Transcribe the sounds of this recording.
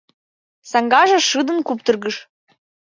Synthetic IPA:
sɑŋɡɑʒɑʂɯd̪ɤ̆nkup̚t̪ɤ̆rɡə̆ʂ

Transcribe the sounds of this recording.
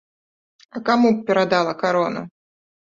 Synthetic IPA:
ɐkamupʲɛɾad̪alˠɐkaɾɔnɐ̰

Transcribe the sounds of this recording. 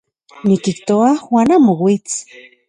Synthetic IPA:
nikiht̪oaxwanamowit͡s

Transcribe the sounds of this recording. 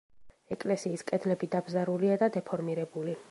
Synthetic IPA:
ɛkʼlɛsiːskʼɛd̪lɛbid̪abzaɾuliad̪ad̪ɛpʰɔɾmiɾɛbuli

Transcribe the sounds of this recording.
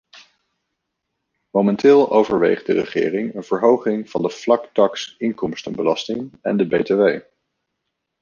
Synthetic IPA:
momɛntɪːlˠowvəɹʋḛjχdərəχɪ̰ːrɪŋənv̥əɹɦowχɪŋv̥ɑndəv̥lɑktɑksɪŋkɔmstənbəlɑstɪŋɛ̰ndəbejteʋej

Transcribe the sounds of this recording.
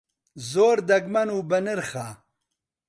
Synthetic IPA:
zoːɾd̪ɐɡmɐnubɐniɾxaː

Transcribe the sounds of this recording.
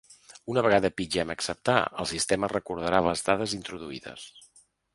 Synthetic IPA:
unəβəɣaðəpid͡ʒɛməksəp̚t̪a̰ə̰lˠsist̪emərəkuɾð̞əɾaləzðaðəzint̪ɾuðuiðə̰s

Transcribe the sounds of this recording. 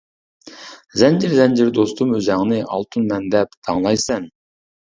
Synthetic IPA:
zɛnd͡ʒiɪɾzɛnd͡ʒɪɾd̪ost̪ʰumøzɛŋnɪʔɑ̰lˠt̪ʰunmɛnd̪ɛp̚d̪̥ʰɑŋlˠɑjsɛn

